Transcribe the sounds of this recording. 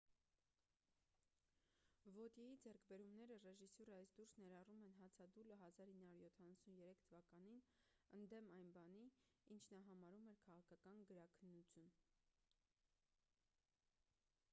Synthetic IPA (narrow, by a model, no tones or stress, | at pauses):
vɔt̪jɛjid͡zɛɾkʰbɛɾumnɛɾərɛʒisɔɾəɑjsd̪uɾsnɛɾɑrumɛnɦɑt͡sʰɑd̪uləɦɑzɑɾhinːɑhuɾjɔt̪ʰɑnɑsunjɛɾɛkʰt̪ʰəvɑkɑnin | ənd̪ɛmɑjnbɑniint͡ʃʰnɑɦɑmɑɾumɛɾkʰɑʁɑkʰɑkɑnɡəɾɑkʰənːut͡sʰjun